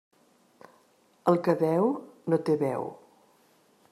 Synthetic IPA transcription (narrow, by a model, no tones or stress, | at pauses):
əlˠkəβɛwnot̪eβɛ̰w